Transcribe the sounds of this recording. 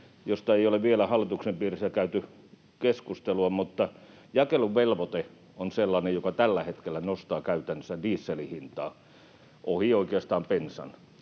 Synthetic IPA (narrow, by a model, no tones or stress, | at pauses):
jost̪ɑeioleʋʋielæhɑlːˑit̪uksempiːrisːækæyt̪y | keskust̪eluɑmut̪ːɑ | jɑkeluʋʋelʋot̪e | onselːɑnejjokɑt̪ælːæhet̪kelːˑænost̪ɑːkæyt̪ænːøsædiːsːelihint̪ɑː | ʔohioikeɑst̪ɑːmpensɑ̰n